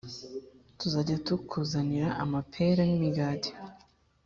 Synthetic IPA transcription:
tuzaɟatukʰuzaniɾaʔamapʰe̞ɾanimiɡaːti̥

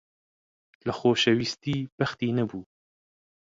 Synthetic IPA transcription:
ləxoːʃɛwist̪iːbɐxt̪iːnɐbuː

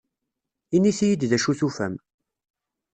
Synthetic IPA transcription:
iniθijid̪ðæʃuθufæ̰m

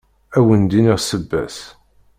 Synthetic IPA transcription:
æwənd̪iniʁsəbːæ̰s

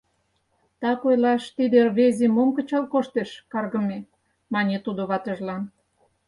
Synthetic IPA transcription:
t̪ɑkojlɑʃt̪id̪erβezemomkə̆t͡ɕɑlkoʃt̪eʃkɑrɣə̆me | mɑnʲet̪ud̪oβɑt̪ə̆ʒlɑn

